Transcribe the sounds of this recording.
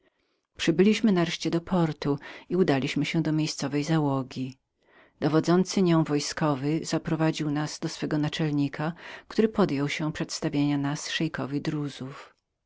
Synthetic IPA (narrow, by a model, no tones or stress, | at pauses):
pʂɘbɘlʲiɕmɘnaɾɛʂt͡ɕɛd̪ɔpʰɔɾt̪uiud̪alʲiɕmɘɕɛ̃d̪ɔmʲjejst̪sɔvɛjzawɔɡʲi | d̪̥ɔvɔd̪zɔnt̪sɘɲɔ̃w̃vɔjskɔvɘz̥apɾɔvad͡ʑiwnaz̥d̪ɔsfɛɡɔnat͡ʂɛlɲikʰakt̪uɾɘpɔd̪jɔwɕɛpʂɛt̪st̪avʲjeɲanasʂɛjkɔvʲid̪ɾuzuf